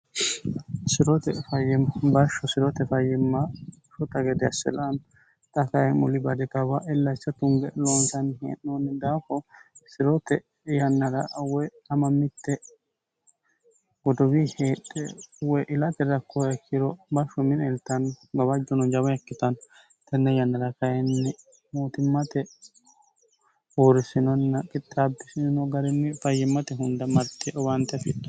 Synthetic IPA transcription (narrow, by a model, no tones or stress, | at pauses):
sɪɾɔt̪ɛfɐjɛmbɐʃɔsɪɾɔt̪ɛfɐjɛmːɐ | ʃɔt̪ɐɡɛd̪ɛɐsɛ̰lɐn | t̪ʼɐkɐjɛmʊlɪbɐd̪ɪt̪ɐbaʔɛlːɐt͡ʃːɐt̪ʊŋɡɛlonsɐnhḛːʔnond̪aːfɔsɪɾɔt̪ɛ | jɐnːɐɾɐwɔj | ɐmɐmːɪt̪ːɛ | wɔd̪ɔwiheːᶑɛ̰wɔjʔɪlɐt̪ɛɾɐkːɔjɐkʰːɪɾɔbɐʃʊmɪnɛlt̪ːɐnbɐbɐd͡ʒɔnɔd͡ʒɐwɐjɐkːɪt̪ɐn | t̪ɛnːɛjɐnːɐɾɐkɐjɛnːɛ | moːt̪ɪmːɐt̪ɛ | oːɾɪsɪnɔnːɐkʼɪt̪ʼːabɪsɪnɔɡɐɾɪmːɪfɐjːɪmːɐt̪ɛɦʊnd̪ɐmɐɾt̪ːɛʔɔwant̪ɛfɪt̪ːɔ